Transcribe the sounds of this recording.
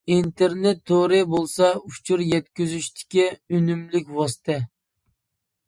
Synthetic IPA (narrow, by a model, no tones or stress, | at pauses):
int̪ʰeɾnet̪ʰːoɾɪbolˠsɑut͡ʃʰuɾjɛt̪̚kʲyzyʃt̪ʰɪ̥kʲiynymlɪkʲwɑsɨ̥t̪ʰɛ